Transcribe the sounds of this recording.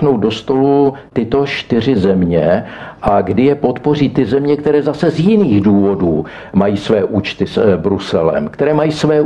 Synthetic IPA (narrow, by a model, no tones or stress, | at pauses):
nowd̪do̞st̪o̞lut̪ɪt̪o̞ʃt̪ɪr̝ɪzɛmɲɛʔaɡdɪjɛpo̞t̪po̞riːt̪ɪzɛmɲɛkt̪ɛɾɛːzasɛzjɪniːɣduːvo̞duː | majiːsvɛːʔuːt͡ʃt̪ɪsbɾusɛlɛ̰mkt̪ɛɾɛːmajiːsvɛː